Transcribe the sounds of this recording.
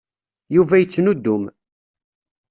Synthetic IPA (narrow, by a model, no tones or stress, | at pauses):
juvæjət͡sːnud̪ːʊm